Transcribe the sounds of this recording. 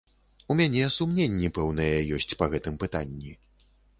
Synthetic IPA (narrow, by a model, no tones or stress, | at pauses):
umʲanʲɛsumnʲenʲːipɛwnɐjɛjɔsʲt͡sʲpɐɣɛt̪ɨmpɨt̪anʲːi